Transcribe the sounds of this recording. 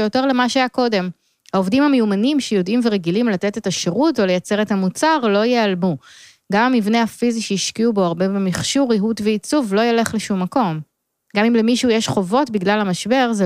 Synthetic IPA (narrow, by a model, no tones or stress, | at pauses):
joteʁle̞maʃeajako̞de̞m | haovdimhamejumanimʃejo̞dimveʁeɡilimlatetetaʃeʁuto̞lejat͡se̞ʁetamut͡saʁlo̞jealmu | ɡamamivne̞hafiziʃeiʃkiubo̞aʁbebemiχʃuʁiɦutveit͡suvlo̞jele̞χleʃumːako̞m | ɡamimlemiʃuujeʃχo̞vo̞tbiɡlalhamaʃbe̞ʁze